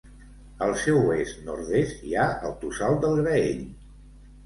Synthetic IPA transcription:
əlˠsɛwest̪nɔɾðest̪iaə̰lˠt̪usalˠt̪d̪əlˠɣɾəeʎ

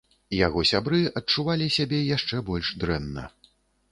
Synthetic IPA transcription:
jaɣɔsʲabɾɨɐt̚t͡ʂuvalʲisʲabʲɛjaʂt͡ʂɛbɔlʲʂd̪ɾɛnːɐ̰

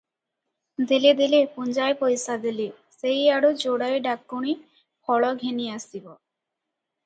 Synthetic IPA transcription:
d̪iled̪ilepund͡ʑaepojsad̪ile | sejaɽod͡ʑoɽaeɖakːuɽ̃i | pʰɔɭɔɡʱeniasibɔ

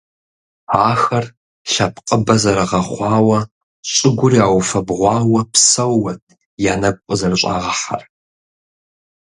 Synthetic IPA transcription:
aːxɐr | ɬɐpʰqʼəbɐzɐɾɐʁɐχʷɑːwɐ | ɕʼɪɡʷʊriaːwfɐbʁʷɑːwɐpsɐwːɐtʰʼ | jaːnɐkʷʼʊzɐrɕʷʼa̰ːʁɐħa̰r

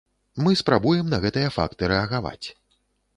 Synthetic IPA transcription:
mɨspɾabujɛmnɐɣɛt̪ɨjɐfa̰kt̪ɨɾɛɐɣava̰t͡sʲ

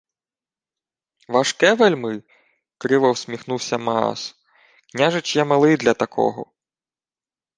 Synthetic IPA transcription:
ʋaʃkɛʋelʲmɪj | kɾɪʋɐwsʲmʲixnuwsʲɐmɐɑ̰s | knʲaʒet͡ʃjɛmelˠɪjd̪lʲɐt̪ɐkʰɔ̰ɦɔ̰

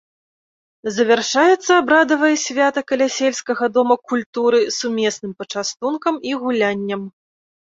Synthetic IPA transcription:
zɐvʲɛrʂajɛt̪sːɐːbɾad̪ɐvɐjɐsʲvʲat̪ɐkɐlʲasʲelʲskɐɣɐd̪ɔmɐkulʲt̪uɾɨsumʲɛsnɨmpɐt͡ʂast̪unkɐmiɣulʲanʲːɐm

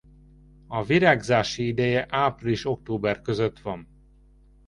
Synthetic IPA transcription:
ɒviɾaːɡzaːʃiid̪ɛjɛʔaːpriliʃo̞k̚t̪oːbɛrkø̞zøt̪ʋɒn

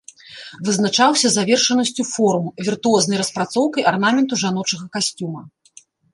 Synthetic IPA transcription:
vɨznat͡ʂawsʲɐzavʲɛrʂɐnɐsʲt͡sʲufɔɾumvʲirt̪uɔznɐjɾɐspɾat̪sɔwkɐjʔarnamʲɛnt̪uʐanɔt͡ʂɐɣɐkasʲt͡sʲumɐ

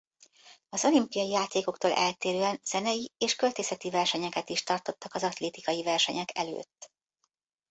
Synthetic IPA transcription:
ɒzo̞limpijɒjijaːt̪eːko̞kt̪oːlʔɛ̰lt̪eːɾøːɛnz̥ɛnɛjieːʃkølt̪eːsɛt̪ivɛrʃɛɲɛkɛt̪iʃt̪ɒrt̪o̞t̪ːɒkɒzɒt̪leːt̪ikɒjivɛrʃɛ̰ɲɛkɛ̰lø̰ːt̪ː

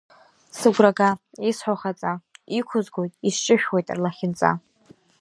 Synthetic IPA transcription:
sɨɡʷraɡa | isħʷaχat͡sʼaikʷʰʊzɡojtʼist͡ʃʼɨʃᶣwejtʼrlaχʲɪnt͡sʼa̰

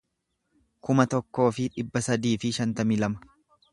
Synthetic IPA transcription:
kʊmɐt̪ɔkːo̞ːfɪᶑɪbːɐsɐd̪iːfɪʃɐnt̪ɐmɪlɐmɐ̥

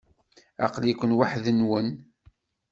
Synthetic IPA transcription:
ɑ̰qlikʷənwaħðənwən

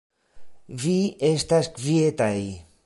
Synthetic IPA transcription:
viest̪askviet̪aj

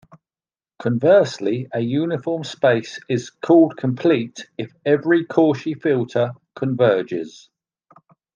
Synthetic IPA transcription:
kʰə̃ɱvɜˑsliəjʉːnɪfɔːmspeɪsɪz̥kʰɔːlˠd̚kʰə̃mpʰl̥iˑtɪfɛvɹikʰɔˑʃifɪlˠtʰəkʰə̃ɱvɜːd͡ʒɪ̰z̥

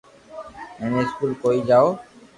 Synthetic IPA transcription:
ɛneɪskulkoid͡ʑaːo

